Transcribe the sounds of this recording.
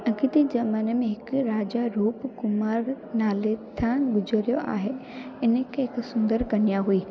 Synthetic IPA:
ɐɡit̪id͡ʑɐmaːnəmẽɦɪkɾaːd͡ʑaɾuːpkʊmaːɾ | naːlet̪ʰaːnɡʊd͡ʑəɾijoʔa̰ːɦe | ɪnəkʰẽɦɪksʊ̃nd̪əɾkɐnijaɦuiː

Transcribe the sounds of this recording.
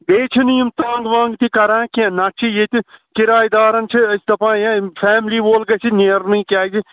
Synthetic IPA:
beːt͡ʃʰinijimt̪aːŋɡʋãːŋɡt̪ikɐɾãːkiẽnɐʈt͡ʃʰijet̪ikɪɾaːjd̪aːɾɐnt͡ʃʰiɐsd̪ɐpãːjãfʰɛːmliːʋoːlɡɐsineːɾnĩːkʲaːd͡ʒi

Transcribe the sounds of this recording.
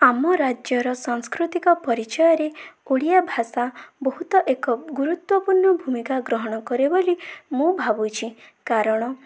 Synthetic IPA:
amɔɾad͡ʒjɔɾɔsaŋskɾut̪ikɔpɔɾit͡ʃɔjɔɾeoɽijabʱasabɔɦut̪ɔʔekɔɡuɾut̪wɔpuɾɳɔbʱumikaɡɾɔɦɔɽ̃ɔkɔɾebolimũbʱabut͡ʃʰikaɾɔɽ̃ɔ

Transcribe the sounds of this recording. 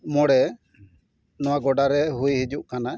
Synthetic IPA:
mɔɽɛ | nɔwaɡɔɖaɾɛɦujɦid͡ʒuʔkana

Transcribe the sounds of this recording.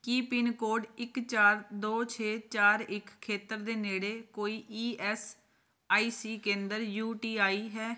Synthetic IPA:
kiːpɪnkoːɖɪkt͡ʃaːɾd̪oːt͡ʃʰeːt͡ʃaːɾɪkkʰːeːt̪əɾd̪eːneːɽeːkoːiːʔiːʔɛːs | aːiːsiːkẽːnd̪əɾjuːʈiːaːiːɦɛː

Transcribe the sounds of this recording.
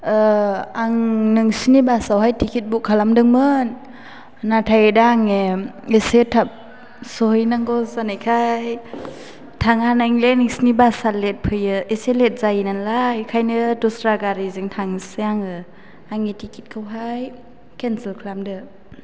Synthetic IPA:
aŋnɯŋsinibasawɦajtʰikʰit̚bukʰalamdɯŋmɯnː | atʰajɯdaːŋeesetʰap̚ | sojnaŋɡɔzanajkʰaj | tʰaŋanaŋlenɯŋsinibasalet̚pʰɯjɯeselet̚zajinanlajkʰajnɯdɔsɾaɡaɾizɯŋtʰaŋseaŋɯ | aŋitʰikʰit̚kʰawɦaj | kensilkʰalamdɯ

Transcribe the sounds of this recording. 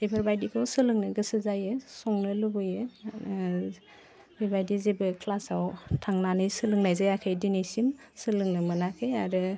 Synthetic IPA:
ebʰaɾbajdikʰɯwsɯlɯŋnɯɡɯsɯzajɯsɔŋnɯlubɯjɯ | ebajdizebɯkʰlasawtʰaŋnanɯjsɯlɯŋnajzajakʰajdinisim | sɯlɯŋnɯmɯnakʰɯjaɾɯ

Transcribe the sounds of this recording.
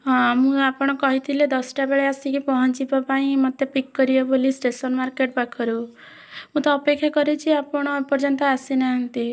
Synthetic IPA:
mũapɔɽ̃kɔɦit̪ʰiled̪ɔsʈabeɭeasikipɔɦɔnt͡ʃipɔpaĩmʌt̪jepikːɔɾiebolisʈesɔnmaɾkeʈ̚bakʰɔɾu | mũt̪ɔːpekʰːjakɔɾet͡ʃʰiapɔɽ̃pɔɾd͡ʒɔnt̪aasinaɦʌnt̪i

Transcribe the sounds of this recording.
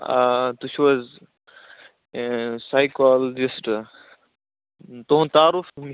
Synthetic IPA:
at̪uɕwɐz | sajkald͡ʑisʈ | t̪õːt̪aːɾufmi

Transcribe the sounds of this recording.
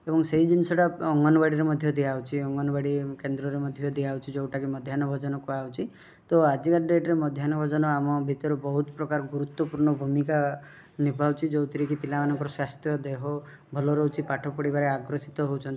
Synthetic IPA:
ebɔŋseɦid͡ʒinisɔʈaɔŋɡɔnɔbaɽiɾemɔd̪ʱjɔd̪iawt͡ʃʰiɔŋɡɔnɔbaɽikend̪ɾɔɾemɔd̪ʱjɔd̪iawt͡ʃʰid͡ʒowʈakimɔd̪ʱjanɔbʱɔd͡ʒɔnɔkuawt͡ʃʰi | t̪ɔad͡ʒikaɾɖeʈɾemɔd̪ʱjanɔbʱɔd͡ʒɔnɔamɔbʱit̪ɔɾubɔɦut̪pɾɔkaɾɔɡuɾut̪wɔpuɾɳɔbʱumika | nibʱawt͡ʃʰid͡ʒowt̪ʰiɾikipilamanɔŋkɔɾɔswast̪ʰjɔd̪eɦɔ | bʱɔlɔɾɔwt͡ʃʰipaʈʰɔpɔɽibaɾeaɡɾɔsit̪ɔɦowt͡ʃʰɔnt̪i̥

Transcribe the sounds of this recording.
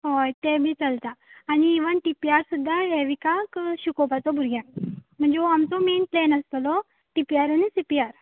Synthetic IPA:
ɦojt̪ɛ̃bʱiːt͡səlt̪aːniːʋənʈipiaɾsud̪ʱːaɦeʋikakɕukɔpat̪ɔbʱuɾɡjãnm̤əɳd͡zeoamt͡sɔmenplenəst̪lɔ | ʈipijaɾanisipiaɾ

